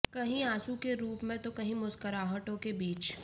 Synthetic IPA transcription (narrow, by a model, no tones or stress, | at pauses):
kɐɦĩaːsukeɾuːpmẽt̪okɐɦĩmʊskəɾaːɦəʈõkebiːt͡ʃ